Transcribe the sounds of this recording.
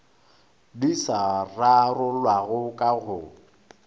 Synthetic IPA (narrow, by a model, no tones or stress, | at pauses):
disararʊlwaɣʊkʼaɣʊ